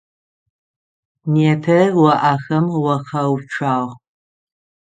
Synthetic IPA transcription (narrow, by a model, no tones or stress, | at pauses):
neːpʰɐwɐʔaxɐmwɐχɐwʈ͡ʂʰaːʁ